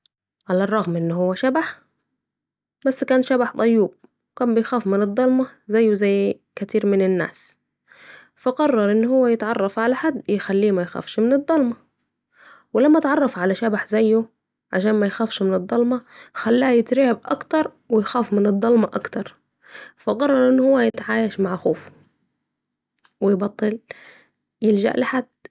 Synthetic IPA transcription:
ʕalærˤːɑɣmʔɪnːhʊwːæʃabaħ | bæsːkæːnʃæbaħt̪ˤɑjːuːb̚ | wɪkæːmbɪjxæːfmɪnɨd̪ˤːɑlmɑzæjːʊzæjː | kæt̪iːɾmɪnɪnːa̰ːs | fɑqɑrˤːɑɾˤʔɪnːhʊwːæjɪt̪ʕɑrˤːɑfʕalaħad̪ːjɪxælːiːmæjxæ̰ːfʃmɪnɨd̪ˤːɑlmɑ | wɪlamːaʔt̪ʕɑrˤːɑfʕalaʃabaħzajːu | ʕa̰ʃaːnmajxaːfʃmɪnɨd̪ˤːɑlmɑxalːaːjɪt̪ɾiʕɪbʔɑkt̪ɑɾˤ | wɪjxaːfmɪnɨd̪ˤːɑlmɑʔɑ̰kt̪ɑɾˤ | fɑqɑrˤːɑɾˤʔɪnːhʊwːæjɪt̪ʕaːjaʃmaʕxoːf | wɪjbɑt̪ˤːɨl | jɪld͡ʒa̰ʔlɪħad̪̥

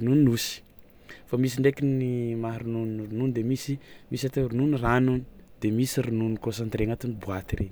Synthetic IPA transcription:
ununnusi̥ | famisiɳɖ͡ʐekinimaɾununrunund̪emisimisat̪eɾununiranuni̥ | d̪̥emisiɾununikosant̪ɾeŋat̪unibuat̪iɾen

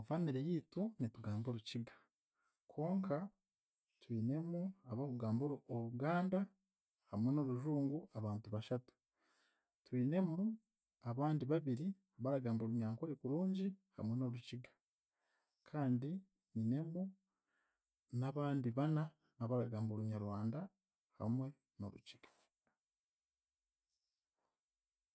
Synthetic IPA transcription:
vaniɾejiːtunituɡaːmbo̞ɾuciɡḁ | kʰo̞ːŋka | twiːne̞muaβaβuɡaːmboɾuoɾuɡaːnda | hamweno̞ɾuʒuːŋɡuaβaːntuβaʃatu̥ | twiːne̞mu | aβaːndiβaβiɾi | βaɾaɡaːmboɾuɲaːŋkoɾikuɾuːɲɟiha̰mwe̞no̞ɾuciɡḁ | kʰaːndi | niːne̞mu | naβaːndiβana | naβaɾaɡaːmboɾuɲaɾwaːnda | ha̰mwe̞ | no̞̰ɾṵciɡ̥ḁ

